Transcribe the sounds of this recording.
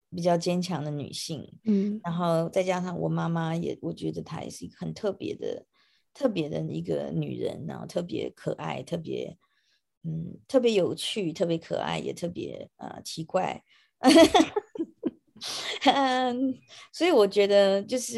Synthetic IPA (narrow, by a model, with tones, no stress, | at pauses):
p̬i˨˩t͡ɕjɑ˥˩ʊt͡ɕjɛ˥nt͡ɕʰjɑ˧˥ŋd̪ə˧ny̰˨˩ɕi˥˩ŋɻa˧˥nxo˥˩˧ʊt͡sa˥ɪt͡ɕja˥ʂɑ˥˩ŋwɔ̰˨˩ma˥ma˧jɛ̰˨˩wɔ˨˩t͡ɕɥɛ˧˥d̪ə˧t̪ʰa̰˥jɛ̰˨˩ʂɻ̩˥˩i˧˥ɡə˨xə˨˩nt̪ʰɤ˥˩pjɛ̰˧˥d̪ə̰˧ | t̪ʰɤ˥˩pjɛ˧˥d̪ə̰˨i˧˥ɡə̰˧ny̰˨˩ɻə̰˧˦nɻa˧˦˥nxo˥˧ʊt̪ʰɤ˥˩p̬jɛ̰˧˥kʰɤ̰˨˩ʔa̰˥˧ɪt̪ʰɤ˥˩pjɛ̰˧˥ | n̩˥˩t̪ʰɤ˥˩pjɛ˧˥jo˨˩ʊt͡ɕʰy˥˩t̪ʰɤ˥˩pjɛ˧˦kʰɤ̰˨˩ʔa̰˥˩ɪjɛ̰˨˩t̪ʰɤ˥˩pjɛ̰˧˥ə̰˧˩t͡ɕʰi˧˥kwa˥˩ɪ | ə˨ | swɔ˧˥i˨˦wɔ˨˩t͡ɕɥɛ˧˥d̪ə˧t͡ɕjo˥˧ʊʂɻ̩˥˩